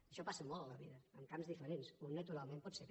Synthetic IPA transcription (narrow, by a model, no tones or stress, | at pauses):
əʃɔpasəmɔlˠələβiðəəmkamzðifəɾensunːət̪uɾalˠmẽmpɔt̪sek